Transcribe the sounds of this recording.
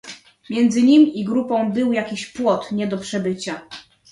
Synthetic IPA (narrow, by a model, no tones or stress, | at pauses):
mʲjɛnd̪zɘɲimʲiɡɾupɔ̃w̃bɘwjakʲiɕpwɔt̪ɲɛd̪ɔpʂɛbɘt͡ɕa